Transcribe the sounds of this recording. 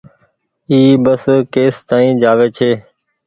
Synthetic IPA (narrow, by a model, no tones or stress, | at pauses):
iːbəskeːst̪aːĩːd͡ʒaːʋeːt͡ʃʰeː